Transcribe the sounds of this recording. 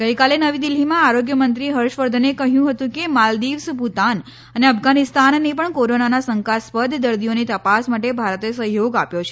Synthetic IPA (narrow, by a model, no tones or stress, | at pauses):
ɡ̥əjkalenəʋid̪ilimãaɾoɡjəmənt̪ɾiɦəɾʃʋəɾd̪ʱənekəɦjũɦət̪ũkemald̪iʋsput̪an | əneəpɡanɪst̪anːepəɳkoɾonanasəŋkaspəd̪ʱd̪əɾd̪ijonit̪əpasmaʈ̬ebʱaɾt̪esəɦjoɡapjot͡ʃʰe̥